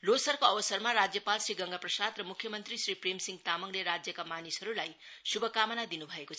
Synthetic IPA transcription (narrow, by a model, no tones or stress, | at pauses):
losʌrkoʌbʌsʌrmaɾad͡zjʌpalsriɡʌŋɡaprʌsad̪rʌmukʰjʌmʌnt̪risriprimsiŋɡt̪amʌŋleɾad͡zjʌkamanisʌɾulaj | subʱʌkamʌnad̪inubʱʌekot͡sʰʌ